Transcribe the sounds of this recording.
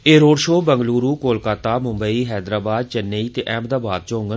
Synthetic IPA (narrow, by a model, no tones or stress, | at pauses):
eːɾoːɽʃoːbəŋɡluːɾuːkoːlkaːt̪aːmʊ̃mbəiːɦɛːd̪ɾaːbaːd̪̚t͡ʃənːeiːt̪eːʔɛːmd̪aːbaːd̪̚t͡ʃõːŋɡə